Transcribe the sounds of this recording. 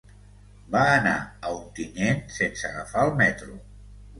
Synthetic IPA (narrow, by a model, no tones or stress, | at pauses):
baːna̰əunt̪inensensəɣəfaəlˠmɛt̪ɾu